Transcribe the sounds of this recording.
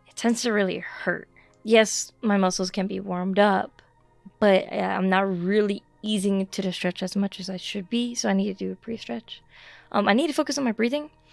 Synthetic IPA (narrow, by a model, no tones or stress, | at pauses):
ɨtʰɛ̃ndz̥tɨɹɪlˠḭhɜ̰˞t̚ | jɛsmaɪmʌsl̩ˠz̥kʰɨ̃nbḭwɔɹmdʌp̚ | b̥ʌɾʌã̰ɪ̃mnət̚ɹɪlˠi | izɪ̃ŋtʰɨɾɨstɹ̥ɛt͡ʃɨzmʌt͡ʃɨzaɪʃɨd̚bisoʊaɪnid̚tʰɨdɨːpʰɹ̥istɹ̥ɛt͡ʃʔʌ̰̃maɪnid̚tʰɨfoʊkɨsn̩maɪbɹiðɪ̃ŋ